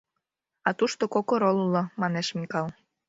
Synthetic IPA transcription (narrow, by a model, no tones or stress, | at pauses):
ɑt̪uʃt̪okokoɾolulomɑneʃmikɑlˠ